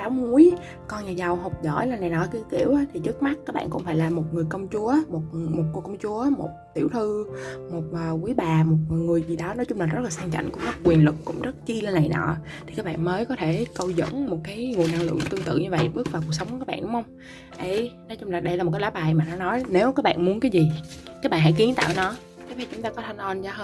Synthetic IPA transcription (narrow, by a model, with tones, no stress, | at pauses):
saː˨˦wŋu˨˦əj | kɔ˧nɲaː˨˩za˨˩wɦo˨˩wk͡p̚zɔ̰˧˩jla˧˨˩n˨˩jnɔ˨˦ki˨˧˦wt̪ḭ˧˩əwʔt̪ʰi˨˩t͡ɕɨ˦˥k̚ma˦˥t̚kaː˦˥k̚ɓa̰ː˧nkʊ̰˧˥ŋ͡mfaː˧jlaː˨˩mo˨˩t̚ŋɨ˨˩əjkə˧wŋ͡mt͡ɕu˨˦əmo˨˩t̚mo˨˩t̚kːkə˧wŋ͡mt͡ɕu˨˦əmo˨˩t̚t̪i˧˩əwt̪ʰɨ˧mo˨˩t̚ʔəː˨˩kwi˨˦jɓaː˨˩mo˨˩t̚ŋɨ˨˩əjvi˨˩ɗɔ˨˦nɔ˨˦t͡ɕʊ˨˦ŋ͡mlaː˨˩zə˦˥laː˨˩sa˧ŋt͡ɕa̰˧˨ŋ̟kʊ˧˥ŋ͡mzə˦˥t̚kːwi˨˩ənlɨ˨˩k̚kʊ̰˧˥ŋ͡mzə˦˥t̚t͡ɕi˧lə˧nːa˨˩jnɔ̰ː˧˨ | t̪ʰi˨˩kaː˦˥k̚ɓa̰ː˧˨nməː˨˦jkɔ˨˦t̪ʰe˧˩kə˧wzə̰˧˥nmo˨˩t̚kaː˨˦jŋu˨˩nʔa˧ŋlɨ̰˧˨əŋt̪ɨ˧əŋt̪ɨ̰˧˨ɲɨ˧və̰˧˨jɓɨ˦˥k̚vaː˨˩ku˨˩k̚sə˨˦wŋ͡mkaː˦˥kɓa̰ː˧˨nɗʊ̰˧˨˦ŋ͡mhə˧ŋ͡m | ʔə˨˧˩jnɔ˨˦t͡ɕʊ˧ŋ͡mlaː˨˩ɗə˧jla˨˩m̚˨˩kːa˨˦laː˧˩˦ɓaː˨˩jmaː˨˩nɔ˨˦nɔ˨˦jne˨˦wkaː˦˥k̚ɓa̰ː˧˨nmu˨˦ənkaː˨˦jzi˨˩ | kaː˦˥k̚ɓa̰˧˨nɦa̰˧˩jki˨˦ənt̪a̰ː˧˨wnɔ˨˦ | t͡ɕa˨˦fa˧˩t͡ɕʊ˨˦ŋ͡mt̪aː˧kɔ˨˦t̪ʰa˧jŋ̟ʔɔ˧nzaː˧həː˧